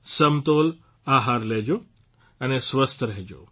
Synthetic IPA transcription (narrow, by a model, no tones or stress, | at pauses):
sɐmt̪oːl | aːɦaːɾleɦd͡ʑoː | ɐnesʋəst̪ʰəɾɐɦed͡ʑo̰ː